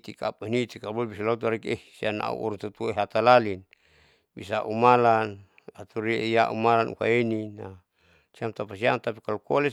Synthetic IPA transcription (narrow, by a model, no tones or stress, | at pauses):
t̪ika̰penit̪ikabobisalot̪̬aɾɛkehsiana̰ṵʔṵɾuŋt̪ut̪ueɦat̪alalin | bḭsaʔumalan | at̪uɾijaʔṵmalanʔṵka̰inina | siamt̪apasiamt̪apikalukolɛ